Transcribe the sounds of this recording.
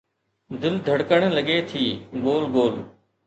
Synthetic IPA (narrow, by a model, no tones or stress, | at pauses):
d̪ɪld̪ʱəɽkəɳ̃ləɠeːt̪ʰiːɡoːlɡoːl